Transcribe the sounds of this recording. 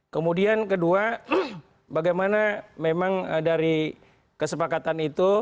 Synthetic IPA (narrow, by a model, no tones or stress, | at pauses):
kəmudiankədua | baɡajmanamemaŋdaɾi | kəsəpakat̪anit̪u